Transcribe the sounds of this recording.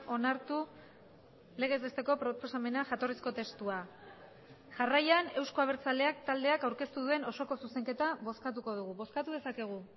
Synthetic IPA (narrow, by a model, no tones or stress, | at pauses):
o̞naɾt̪u | le̞ɣ̞e̞zβe̞st̪e̞ko̞pɾoposame̞naʝat̪o̞risko̞t̪e̞st̪ua | ʝarajane̞wsko̞aβ̞e̞ɾt͡sale̞ak̚t̪ald̪e̞akawɾke̞st̪uðue̞no̞so̞ko̞suse̞ŋke̞t̪aβo̞skat̪uko̞ð̞uɣuβo̞skat̪uð̞e̞sake̞ɣ̞u